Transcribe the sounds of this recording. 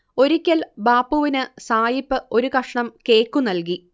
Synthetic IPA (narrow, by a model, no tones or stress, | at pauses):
o̞ɾikʲːɐlbaːpːuʋinɨsaːjipːɨʔo̞ɾukɐʂɳɐmke̞ːkːunɐlk̬i